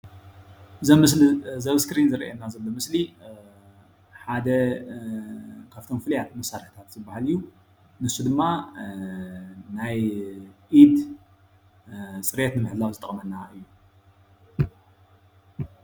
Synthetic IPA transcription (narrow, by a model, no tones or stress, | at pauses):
zɐmszɐβskɾinzɨɾɐ̰jenazɐlːo̞mɨsli | ħad̪ɐ | kʰaft̪ʰo̞mfɨljat̪̚mɐsaɾɐħt̪ʰat̪z̥ɨbːahalɨjːu | nɨsːud̪ɨmːa | najʔid̪ | sʼɨɾet̪nɨmɨħd̪lawzɨt̪ʼɐ̰χʼmɐnːaʔɨjːu